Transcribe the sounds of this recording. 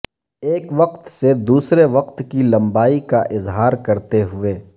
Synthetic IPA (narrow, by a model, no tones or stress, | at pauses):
eːkʋɐqt̪sed̪uːsɾeʋɐqt̪kilɐ̃mbaːikaʔɪzɦaːɾkɐɾt̪eɦʊeː